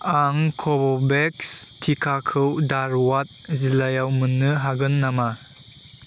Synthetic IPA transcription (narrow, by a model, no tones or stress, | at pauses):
aŋkʰɔbɔbekstʰikʰakʰɯwdaɾwat̚zilajawmɯnːɯɦaɡɯnːama